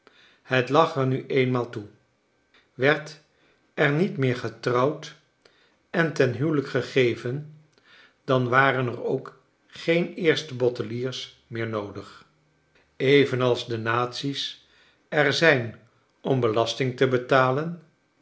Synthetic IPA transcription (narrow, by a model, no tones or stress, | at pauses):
hətlɑχɛɹnyʔejnmaːlˠtu | ʋɛɹt | ɛɹnitmɪːɹχətrɑwt | ɛntɛnɦywləkχəχejvən | d̥ɑnʋaːɾənɛrowk | χejnɪːɹstəbɔtəliːɹs | mɪːɹnowdəχ | ejvənɑlˠzdənaːtsis | ɛɹzɛjn | ɔmbəlɑstɪŋtəbətaːlən